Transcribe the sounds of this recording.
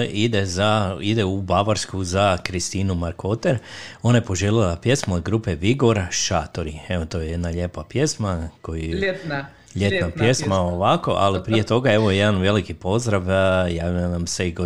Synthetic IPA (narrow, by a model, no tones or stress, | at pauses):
id̪ezaid̪eubaʋaɾskuzakɾist̪iːnumaɾkʰot̪eɾo̞najepo̞ʒelilapje̞smoːd̪ɡɾuːpeʋiɡo̞ɾaʃat̪o̞ɾieʋot̪o̞jeje̞d̪naʎe̞papjesmakoj | ʎet̪napje̞smaoʋako̞ʔalipɾije̞t̪o̞ɡae̞ʋojejed̪anʋe̞likipo̞zd̪ɾaʋjaːʋilanamseiɡo